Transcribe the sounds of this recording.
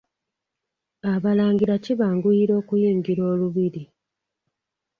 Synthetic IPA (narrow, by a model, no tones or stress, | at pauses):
aβalaːŋɡiɾaciβaːŋɡujiɾo̞ːkujiːŋɡiɾo̞ːluβiɾi